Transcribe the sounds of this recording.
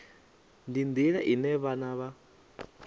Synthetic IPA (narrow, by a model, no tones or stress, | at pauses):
ndind̪iɺaʔinɛβanaβa